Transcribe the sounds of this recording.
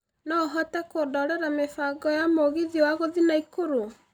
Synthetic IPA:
nɔɦɔtɛkoːdɔɾɛɾamefaɡɔjamoɣiðiɔwaɣoðinaikoɾo

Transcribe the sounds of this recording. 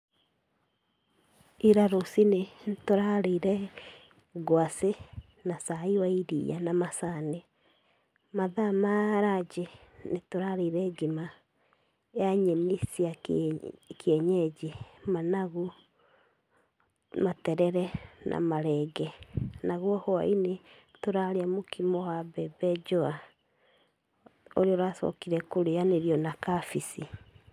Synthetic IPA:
iɾaɾosinetoɾaɾeiɾɛ | ɣwase | nasaiwaiɾḭja̰namasane | maðamaɾad͡ʒenetoɾaɾeiɾɛɡima | eaɲemisia | kɛɲɛd͡ʑemanaɣu | matɛɾɛɾɛnʔa̰maɾɛɡɛnaɣwɔhoa̰ine | toɾaɾeamokimɔwabɛbɛd͡ʒoa | o̰ɾeoɾaːsɔ̰kiɾɛkoɾejaneɾiɔnakafisi

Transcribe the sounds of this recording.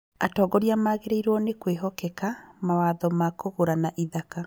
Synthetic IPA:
atɔɡɔɾjamaɣeɾeiɾwɔnekweɦɔkɛkamawaðɔmakoɣoɾanaʔiðaka

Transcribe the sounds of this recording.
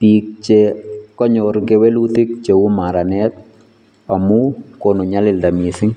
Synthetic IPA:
pik̚t͡ʃɛkɔɲɔɾɡɛwɛlutɪk̚t͡ʃewumaɾanɛt̚ | amukonuɲalɪldamisɪŋ

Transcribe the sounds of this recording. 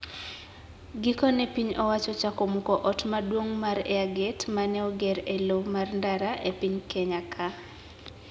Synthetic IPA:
ɡɪkɔnɛpiɲɔwat͡ʃɔt͡ʃakomokɔʔɔtmadwoŋmaɾɛ̰aɡɛtmanɛɔɡɛɾelomarndaɾaʔepiɲkɛɲakʰa

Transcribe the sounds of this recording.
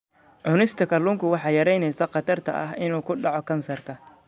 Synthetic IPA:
ʕʊnɪst̪ʰɐkʰɐlʊŋkʰʊwɑħɑːjɐɾɛjnɛjsɐqɑt̪ʰɐrt̪ʰɐ̰ʔɐɦɪnuːkʰʊɖɑʕɔkʰɐnsɐrk̪ʰɐ

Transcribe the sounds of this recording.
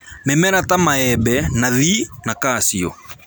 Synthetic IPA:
mɛmɛɾatamaɛbɛnaðinakasiɔ̰

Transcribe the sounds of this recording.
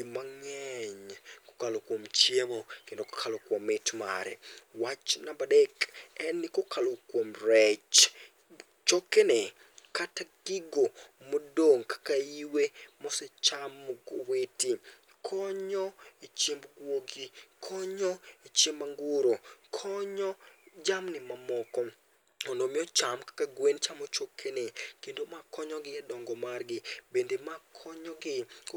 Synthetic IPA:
imaŋɛɲko̥kalokwomt͡ʃjemokendoko̥kʰalokwomɪtma̰ɾɛ̰wat͡ʃnabadɛkɛnːikokʰalokwomrɛt͡ʃ | t͡ʃɔkɛnɛ | kataɡ̥ɪɡomodoŋkḁkaiwemɔsɛt͡ʃamɡoweti | kʰɔɲɔet͡ʃemɡwoɡikʰɔɲɔet͡ʃemːaŋɡuɾokʰɔɲɔd͡ʒamnɪmamɔkɔ | ɔnomɪɔt͡ʃamkḁkaɡwent͡ʃamot͡ʃokʰːenekendomakʰɔɲɔɡɪadɔŋɡɔmarɡɪbendemakʰɔɲɔɡɪ

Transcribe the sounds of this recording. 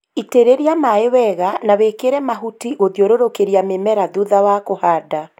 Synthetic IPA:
iteɾeɾiamaewɛɣanawekeɾɛmaɦutiɣoðjoɾoɾokeɾiamemɛɾaðuðawakohaːda

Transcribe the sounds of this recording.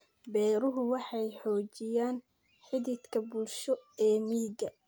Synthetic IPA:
bɛːɾʊɦʊwɑħɑjħɔːt͡ʃɪjaːn | ħɪðɪt̪kʰɐbʊlʃɔɛːmiːɡɐ

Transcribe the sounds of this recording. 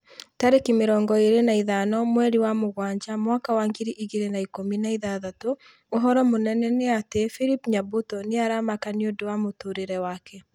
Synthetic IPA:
taɾekimeɾɔːŋɡɔeɾenaiðanɔmwɛɾiwamoɣwaːɲd͡ʒamwakawaŋɡiɾiʔiɣiɾenaikominaiðaðatoː | ɦɔɾɔmonɛnɛnɛatefiɾipɲabotɔneaɾamakaniodowamotoɾeɾɛwaːkʰɛ

